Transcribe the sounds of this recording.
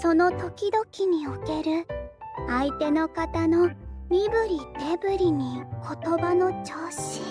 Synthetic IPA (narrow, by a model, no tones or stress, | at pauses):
so̞no̞t̪o̞kʲid̪o̞kʲiɲ̟ioke̞ɾɯ̟ | ait̪e̞no̞kat̪ano̞mʲibɯ̟ɾʲit̪e̞bɯ̟ɾʲiɲ̟ikʰo̞t̪o̞bano̞t͡ɕo̞ːɕi̥